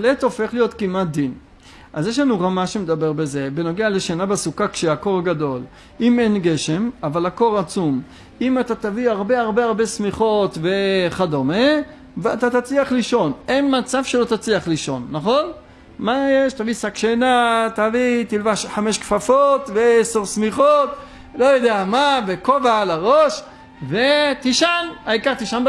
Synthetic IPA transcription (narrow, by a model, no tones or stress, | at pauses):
let̪o̞fe̞χlijo̞t̪kimat̪̚d̪in | ʔazjeʃ̬lanuʁamaʃemed̪abeʁbeze̞beno̞ɡealeʃenabesukakʃeako̞ʁaɡad̪o̞l | imenɡe̞ʃe̞mavalhako̞ʁat͡sum | imat̪at̪aviaʁbeaʁbeaʁbe̞smiχo̞t̪veχad̪ome | veat̪at̪at͡sliaχliʃo̞nenmat͡savʃelo̞t̪at͡sliaχliʃo̞nːaχo̞n | majeʃt̪avisakʃenat̪avit̪ilvaʃħame̞ʃkfafot̪veesoʁsmiχot̪ | lo̞jod̪eamavekovalaʁoʃ | vet̪iʃanaikaʁt̪iʃanb